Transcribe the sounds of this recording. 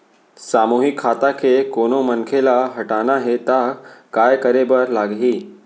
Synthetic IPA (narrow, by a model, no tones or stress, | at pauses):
samuɦikʰːat̪akʰekonomənkʰelaɦəʈanaɦet̪akajkəɾebəɾlaɡɦiː